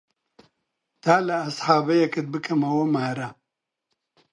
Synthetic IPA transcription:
t̪ʰaːlɐːsħaːbɐjɐkɨt̪̚bɨkʰɐmɐwɐmaːɾa

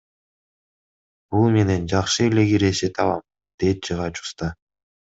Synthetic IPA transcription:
bulˠme̞ne̞nd͡ʒɑqʃɯele̞ɡiɾe̞ʃet̪ɑlˠɑm | d̪̥e̞t̪̚t͡ʃʰɯʁɑt͡ʃu̥st̪ɑ

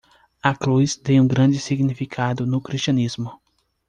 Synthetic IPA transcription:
ɐkɾujst̪ẽj̃ũɡɾɐ̃d͡ʒɪsiɡnifikʰad̪ʊnʊkɾiʃt͡ʃiɐ̃nizmʊ

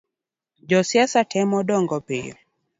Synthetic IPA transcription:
d͡ʒɔsiasatʰɛmɔɗɔŋɡɔpḭ

